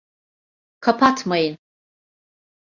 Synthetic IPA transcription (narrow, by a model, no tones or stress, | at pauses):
kʰapʰatʰmajn